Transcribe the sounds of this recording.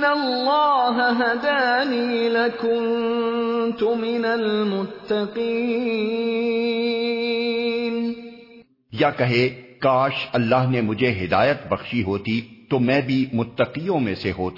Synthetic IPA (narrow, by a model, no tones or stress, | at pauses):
nalːɑːɦaɦad̪aːniːlakʊnn | t̪ʊmɪnalmʊt̪ːɑqiː | n | jakɐɦekaːʃɐlːaːɦnemʊd͡ʒʱeɦɪd̪aːjət̪bɐxʃiɦoːt̪it̪omɛ̃ːbʱimʊt̪ːəqiːjõmẽseɦoːt̪